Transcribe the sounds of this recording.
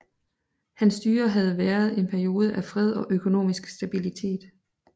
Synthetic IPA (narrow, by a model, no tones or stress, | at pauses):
hænsd̥yːɐɦæð̞̩ˠʋæːɐð̞̩ˠe̝npʰæɐjo̝ːð̞ˠəʔæfʁɛð̞ˠɒ̽ʔøkʰo̝no̝̰ːmisɡ̥sd̥æb̥ilit͡sʰe̝̰ːd̥